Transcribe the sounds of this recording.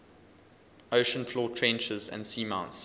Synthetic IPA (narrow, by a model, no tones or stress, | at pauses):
əʊʃə̃nflɔːtʰɹɛ̃nt͡ʃəzə̰̃ndsiːmãʊ̃nts